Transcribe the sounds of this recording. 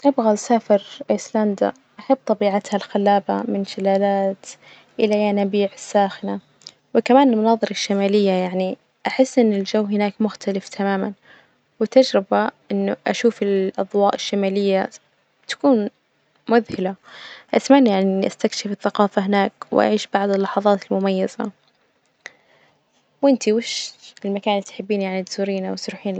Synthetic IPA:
t̪ɪbɣalsaːfɪɾʔasland̪a̰ | ʔaħab̚ːt̪ˤɑbiːʕat̪halxalːaːbamɪnʃɪlaːlaːt̪ | ʔɪlajanabiːʕɪsːaːxɪna | wɪkamaːnɪlmʊnɑːðˤɨɾɑʃːamaːlɪjːajaʕni | ʔaħɪsːʔɪnːɪld͡ʒawːɦɪnaːkmʊxt̪alɪft̪ʰamaːman | wɪt̪ad͡ʒɾɪbaʔɪnːʊʔaʃuːfɪlʔɑ̰ðˤwɑːʔɪʃːamaːlɪjːa | t̪ḁkuːn | mʊðhɪlaʔasmaʕnijaʕniʔast̪akʃɪfɪθːaqɑːfaɦɪnaːkwʔa̰ʕiːʃbaʕd̪ˤɪlːɑħɑðˤɑːt̪ɪlmʊmajːaz̥a̰ | wʔɪnt̪iwɪʃɪlmakaːnɪt̪ħɪbːiːnjaʕnid̪suːɾiːnawɪt̪ɾuːħiːn

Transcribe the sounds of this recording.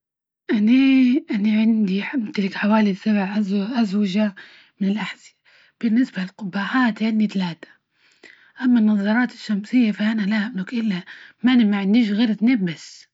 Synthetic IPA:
ʔaniʔanaʕɪnd̪iħamt̪alɪkħawaːlisabʕʔazʔazwaʒa | mɪnɪlʔaħz̥i | b̥ɪnːɪsbalɪlqʊbːaħaːt̪ʕɪnd̪it̪alaːt̪ḁ | ʔamːanːɑðˤɑɾˤɑːt̪ɪ̥ʃːamsɪjːafaʔanalahamlʊkʔɪlːamanmaʕɪnːdiːʒɣeːɾt̪nabːɪs

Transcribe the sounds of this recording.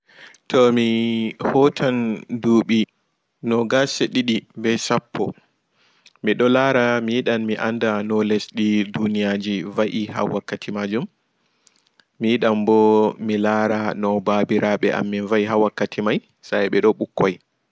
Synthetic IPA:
tɔmihɔtʰanduːɓi | nɔɡaseɗiɗibɛsapʰːɔ̰ | miɗɔlaɾamijiɗammiʔa̰ndanɔlesɗidunijad͡ʒivaʔiɦa̰wakːatʰimad͡ʒum | ijiɗambɔmilaːɾanɔbabiɾaɓɛʔa̰mːinvaiɦawakːatʰimaj | sajɓɛɗɔɓukːɔj

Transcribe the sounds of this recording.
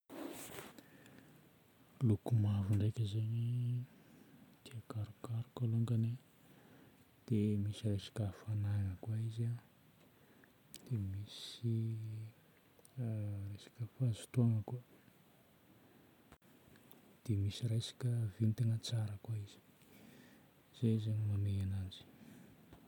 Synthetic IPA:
lukumavuɳɖ͡ʐajkʲəzeɲi | t̪iakaɾukaɾukaluŋɡani | d̪̥emisirajsḁkʲafanaŋəkwaiza | d̪̥emisi | rajsḁkʲəfazu̥taŋəka | d̪̥emisiɾajsḁkʲəvint̪iŋət͡saɾəkwaiz̥i̥ | z̥ezeɲimaneanazi̥

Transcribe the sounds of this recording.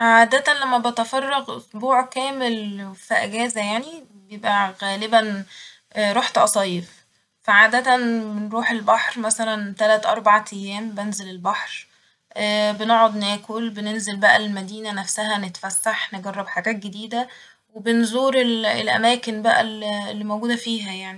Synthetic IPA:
ʕaːd̪æt̪ænlæmːæbet̪fɑrˤːɑɣʔosˤbuːʕkæːmelfiʔæɡæːzæjaʕni | bejebʔæɣæːlebæn | ʔɾˤoħt̪ʔɑsˤɑːjef | fæʕaːd̪æt̪ænbenɾuːħelbɑħɾmæsælænt̪ælæt̪ʔɑɾˤbɑʕt̪ʰijːæːmbenzelelbɑħɾ | ʔæbenoʕod̪næːkolbenenzelbæʔællmæd̪iːnænæfsæɦænet̪fæsːaħneɡɑrˤːɑbħaɡæːt̪̚ɡed̪iːd̪æ | webenzˤuːɾelḛlʔæ̰mæːkenbæʔæ̰llːimowɡuːd̪æfiːɦæjaʕni

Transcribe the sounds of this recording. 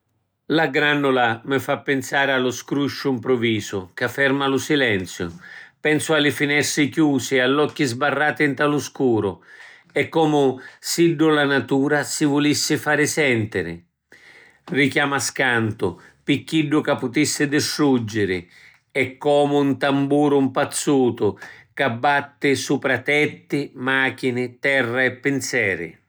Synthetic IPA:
laɡɾanːʊlamɪfapːɪnsaːɾɪalːʊskɾuʃːʊimpɾʊviːsʊkafːɛrmalʊsilɛnt̪sjʊ̰pɛnsʊalːɪfinɛst̪ɾɪkjuːsɪalːɔkːizbarːaːt̪ɪɪnt̪alʊskuːɾʊ | ɛkːɔːmʊsiɖːʊlanat̪uːɾasɪvʊlisːɪfaːɾɪsɛnt̪ɪɾɪ̰ | rikjaːmaskant̪ʊ | pikːiɖːʊkapːʊt̪isːɪd̪ɪstɾud͡ʒːɪɾɪ | ɛkːɔːmʊunt̪ambuːɾʊmpat̪sːuːt̪ʊkabːat̪ːɪsuːpɾat̪ɛt̪ːɪmaːk̟inɪt̪ɛrːaɛpːɪnsɛːɾɪ̰

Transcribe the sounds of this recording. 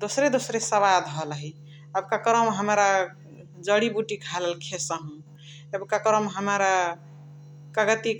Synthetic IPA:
d̪osɾed̪osɾesəβad̪ɦəlɦi | əbkakɾəmɦəmɾa | d͡ʒəɽibuʈikʰaləlkʰesəɦũ | ebkakɾəmɦəmɾa | kəɡət̪i

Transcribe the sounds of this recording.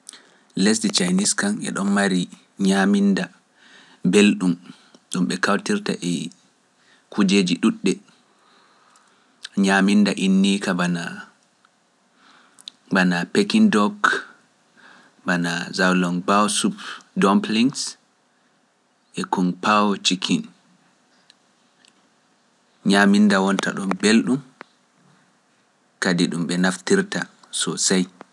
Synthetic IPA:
lɛsdit͡ʃajniskanʔɛ̰ɗɔnmaɾi | ɲaminda | belɗum | ɗumɓɛkawtiɾta̰ʔɛ | kʰud͡ʒeːd͡ʒiɗuɗːɛ | ɲamindaʔinːikabana | banapekindɔk | banazawlɔnbawsupdɔmpliŋs | ʔɛkunpawt͡ʃikʰin | ɲamindawɔnta̰ɗɔmbelɗum | kadiɗumɓɛnaftiɾta | sɔsaj

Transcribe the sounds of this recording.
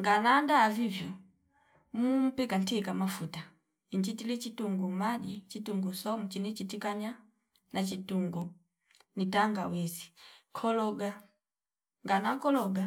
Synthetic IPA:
ŋɡanandaːvivjɔ | mum̩pikantikamafuta | iɲd͡ʒitilit͡ʃituŋɡumaɟit͡ʃituŋɡusɔmut͡ʃinit͡ʃitikaɲa | nat͡ʃituŋɡu | nitaŋɡawɛsi̥kʰɔlɔɡa | ŋɡanakɔlɔɡa

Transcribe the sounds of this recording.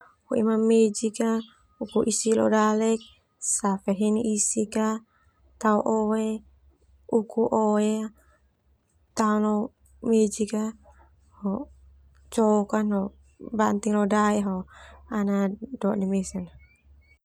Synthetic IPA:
hoimamːed͡ʒika | ukuʔisilɔ̰dalɛk̚ | safeɦɛniʔisika | t̪auʔowe | ukuʔoea | t̪aunlɔ | med͡ʒika | hɔ | t͡ʃɔkanɔ | bant̪iŋlodaiɦoanadɔʔdimesɛn

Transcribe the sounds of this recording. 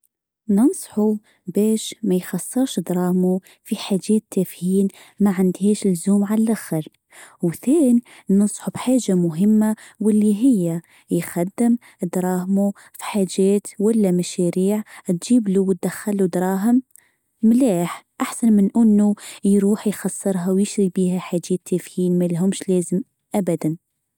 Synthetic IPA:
nɑnsˤħu | bæːʃmæjxɑsˤːɨɾˤʃd̪ɾˤɑːhmu | fiħaʒɛːt̪ːæfhiːn | maʕand̪hiːʃlzuːmʕallʔaxəɾ | wθæːninɑnsˤħubħaːʒːamʊɦɪmːawɪlːiɦɪjːa | jxæd̪ːɪm | d̪ɾˤɑːhmu | fi̥ħaːʒɛːt̪wælːæmæʃæɾiːʕt̪ʒiːbluwt̪̚d̪æxːalud̪ɾˤɑːɦɪm | mlaːħʔaħsanmɪnʔɪnːujɾuːħjxɑsˤːɨɾˤɦawjɪʃɾibiːɦæħad͡ʒæt̪ːæfhiːnmælɦʊmʃlæːzəm | ʔæbæd̪æn

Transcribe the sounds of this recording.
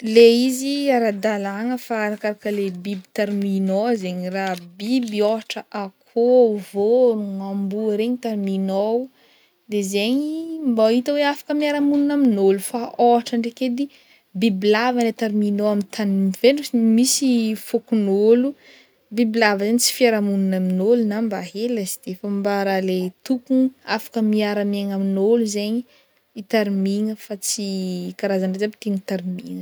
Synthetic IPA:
leiziaɾad̪alaŋəfaaɾakaɾakəlebibi̥t̪aɾminozeɲirabibioaʈ͡ʂəʔakʰovonuŋambuəɾeɲit̪aɾminow | d̪ezeɲimbait̪əweafḁkəmiaɾamununaminolufaoaʈ͡ʂəɳɖ͡ʐeked̪i | bibilavanet̪aɾiminoamit̪ʰanimiveɳmisifokunolu | bibilavəzaɲit͡si̥fiaɾamununaminolunambaɦeləzi̥d̪̥eefəmbaɾalet̪ukuniafḁkəmiaɾameŋaminoluzeɲi | it̪aɾimiŋəfat͡sikaɾazaɳɖ͡ʐezabi̥t̪eɲt̪aɾimiŋə

